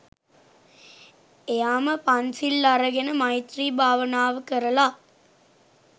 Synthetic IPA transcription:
ejaːmɐpɐnsilːɐɾɐɡenɐmɐjit̪ɾiːbʱaːʋɐnaːʋəkəɾɐlaː

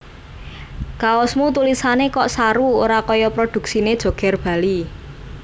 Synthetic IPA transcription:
kaɔsmut̪ulisanekɔʔsaɾuoɾakɔjɔpɾod̪̥ṳksined̥ʒ̥o̤ɡ̥ɛ̤rb̥a̤li

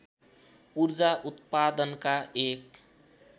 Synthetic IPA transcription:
uɾd͡ʒaʔut̪pad̪ənkaʔek

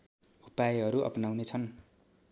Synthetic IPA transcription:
upaeɦʌɾuʔʌ̰pnawnet͡sʰʌn

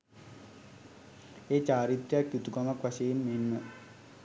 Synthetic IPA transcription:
eːt͡ɕaːɾit̪ɾejakjut̪uɡamakʋasejinmenːə

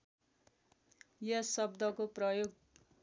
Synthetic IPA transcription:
jʌsʌbd̪ʌkoprʌjoɡ

